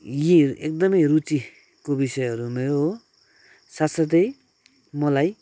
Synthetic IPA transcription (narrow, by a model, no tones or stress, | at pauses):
jiek̚d̪ʌmʌjɾut͡si | kobisʌjɦʌɾumʌjo | sasʌd̪ej | mʌlaj